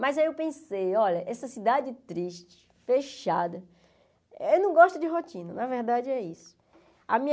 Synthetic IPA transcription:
mɐjzewpẽsejɔʎɐʔɛsɐsid̪ad͡ʒɪt̪ɾiʃt͡ʃɪ̥feʃad̪ɐ | ewnɐ̃w̃ɡɔʃt̪ʊd͡ʒɪɦotĩnɐnɐveɾd̪ad͡ʒɪɛisʊ̥ | ɐmĩɲ

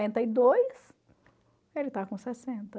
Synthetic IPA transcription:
ẽnt̪ɐid̪ojs | elɪt̪akõsɛsẽnt̪ɐ

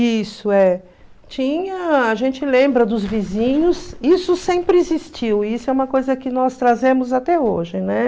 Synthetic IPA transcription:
isʊɛ | t͡ʃĩɲɐaʒẽnt͡ʃɪlẽmbɾɐd̪ʊzvizĩɲʊsisʊsẽpɾɪizist͡ʃiwisʊɛũmɐkojzɐkɪnɔst̪ɾazẽmʊzat̪ɛoʒɪnɛ

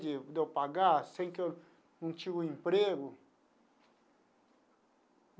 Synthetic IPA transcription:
d͡ʒɪd̪ewpaɡasẽj̃kew | nũt͡ʃiɡuĩmpɾeɡʊ

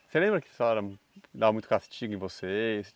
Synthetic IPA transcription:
selẽmbɾɐkɪ̥saɛɾɐ | d̪avɐmũt̪ʊkast͡ʃiɡʊẽvoses

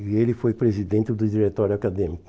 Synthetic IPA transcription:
elɪfojpɾezid̪ẽnt̪ɪd̪ʊd͡ʒiɾet̪ɔɾʊakad̪ẽmikʊ

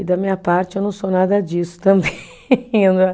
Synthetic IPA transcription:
ɪd̪ɐmĩɲɐpaɾt͡ʃɪewnɐ̃w̃sonad̪ɐd͡ʒisʊ̥t̪ɐ̃mbẽ | ẽd̪

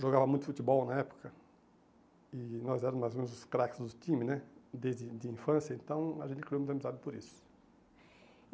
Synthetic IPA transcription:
ʒoɡavɐmũj̃t̪ʊfut̪ɪbɔwnɐɛpʊ̥kɐ | ɪnɔzɛɾɐmmajzomẽnʊzʊskɾakɪ̥zd̪ʊt̪ĩmɪnɛd̪ezd̪ɪd̪ɪĩfɐ̃sjɐẽnt̪ɐ̃w̃ɐʒẽnt̪ɪkɾiomũt̪ɐmizad̪ɪpʊɾisʊ̥

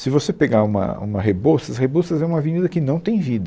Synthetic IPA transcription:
sɪvosepeɡaũmɐ̰ṵ̃mɐɦebostɐshebustɐzɛũmɐviɲid̪ɐkɪnɐ̃w̃t̪ẽj̃vid̪ɐ

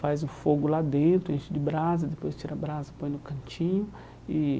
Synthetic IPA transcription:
fazũfoɡʊlad̪ẽnt̪ɾʊẽt͡ʃɪd͡ʒɪbɾazɐd̪epojst͡ʃiɾɐbɾazɐpõj̃nʊkɐ̃t͡ʃĩɲʊ | ɪ

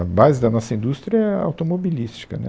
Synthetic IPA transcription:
ɐbazɪd̪ɐnɔsɐĩnd̪ust̪ɾʲiɐɛa̰wt̪omobilist͡ʃi̥kɐnɛ̰

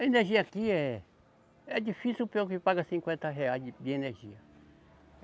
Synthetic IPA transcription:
ɐeneɾʒiɐakiɛ | ɛd͡ʒifisiwpeõkɪpaɡɐsĩŋkwẽnt̪ɐɦeajd̪ɪeneɾʒiɐ

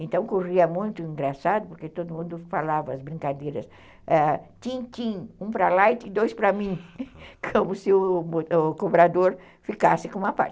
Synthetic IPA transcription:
ẽnt̪ɐ̃w̃koʁiɐmũj̃t̪ʊĩŋɡɾasad̪ʊpoɾket̪od̪ʊmũnd̪ʊfalavɐɐzbɾĩŋkad̪ejɾɐs | at̪ĩt̪ĩũpɾalajt̪ĩd̪ojspɾɐmĩkʰõmʊsɪʊʊkobɾad̪oɾ | fikasɪkõũmɐpa̰ɾt͡ʃ

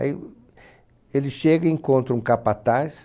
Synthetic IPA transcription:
a̰i | elɪsʃeɡɐẽŋkõnt̪ɾũŋkapat̪as

